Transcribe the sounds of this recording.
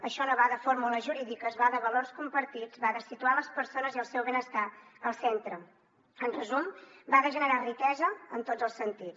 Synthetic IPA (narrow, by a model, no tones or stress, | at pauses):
əʃɔnəβaðəfoɾmuləʒuɾiðikəːzβaðəβəlorskumpəɾt̪id͡zβaðəsit̪ualəspəɾsonəziəlˠsɛwβenəst̪aəlˠsent̪ɾə | ənrəzumbaðəʒənəɾarit̪ɛzəənt̪od͡zəlˠsənt̪i